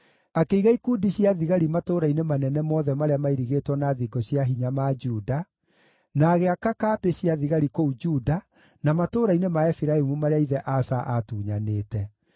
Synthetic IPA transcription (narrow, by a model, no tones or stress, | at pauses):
akeiɣaikudiɕjaðiɣaɾimatoːɾainemanɛnɛmɔðɛmaɾeamaiɾiɣetwɔnaðiɡɔɕjaɦiɲamad͡ʒuːda | naɣeakakaːpeɕjaðiɣaɾikoud͡ʒuːda | namatoːɾainemaɛfiɾaemumaɾeaiðɛʔasaʔatuːɲaneːtɛ